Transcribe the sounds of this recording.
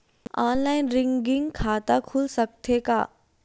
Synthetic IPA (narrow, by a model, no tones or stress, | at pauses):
ɔːnlaːɪnɾɪ̃ŋɡɪ̃ŋɡkʰaːt̪akʰulsɐk̚t̪ʰeka̰ː